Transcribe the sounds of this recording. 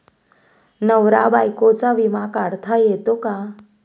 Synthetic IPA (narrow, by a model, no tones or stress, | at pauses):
nəʋɾabajkot͡saʋimakaɽt̪ʰajet̪oka